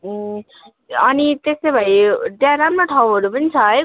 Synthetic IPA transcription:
ʌnit̪esebʱʌjɖjaɾamnoʈʰawɦʌɾupʌnit͡sʰʌj

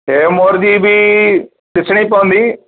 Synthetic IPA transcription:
eːmoːɾd͡ʒiːbʱiː | ɗɪsʰɽ̃iːpɐʋə̃nd̪iː

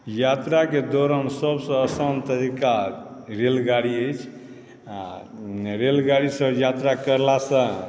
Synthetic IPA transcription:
jat̪ɾaked̪oɾənsəbsə̃əsənt̪əɾikaɾelɡaɾiəjt͡ʃʰ | a | ɾelɡaɽisəbjat̪ɾakəɾlasə̃

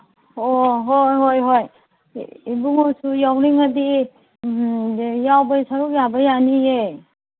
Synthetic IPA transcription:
ɔɦɔjɦɔjɦɔj | ibuŋɔsujawɾiŋadi | jawbajsaɾujabajanije

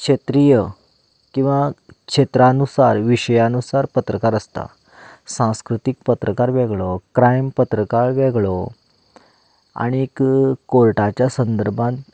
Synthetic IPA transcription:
kʂet̪ɾijə | kĩw̃ʋakʂet̪ɾanusaɾʋiɕəjanusaɾpət̪ɾəkaɾəst̪a̰ | sãw̃skɾut̪ik̚pət̪ɾəkaɾʋɛɡɭokɾajmpət̪ɾəkaɭʋɛɡɭo | a̰ɽ̃ikkoɭʈat͡ɕjasənd̪əɾbʱãnt̪

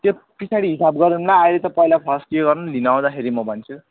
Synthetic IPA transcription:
t̪jo | pisʰaɽiɦisabɡʌɾunnaːilet̪ʌpʌilapʰʌskieɡʌrnulinaw̃d̪akʰeɾimʌbʱʌnt͡sʰu

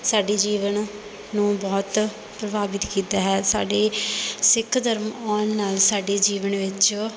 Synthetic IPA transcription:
saːɖeːd͡ʒiːʋən | nũːbɔːt̪ | pɾəbaːbɪt̪kiːt̪aːɦɛːsa̰ːɖeːsɪkʰd̪əɾmɔːnːaːlsaːɖeːd͡ʒiːʋənʋɪt͡ʃ

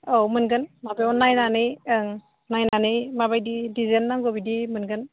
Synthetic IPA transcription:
owmɯnɡɯnmabajɔnajnanɯjŋ | najnanɯjmabajdidizenːaŋɡɔbidimɯnɡɯn

